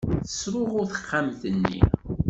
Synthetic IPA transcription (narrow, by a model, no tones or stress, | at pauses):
θə̥sɾˤʊʁʊɾθə̥χːamθənːḭ